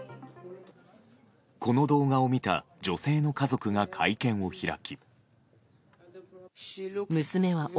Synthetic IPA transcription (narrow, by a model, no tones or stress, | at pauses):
ko̞no̞d̪o̞ːɡao̞mʲit̪a̰d͡ʑo̞se̞ːno̞kazo̞kɯ̟ɡakʰaikẽ̞ɰ̃o̞çiɾa̰kʲi | mɯ̟sɨme̞βa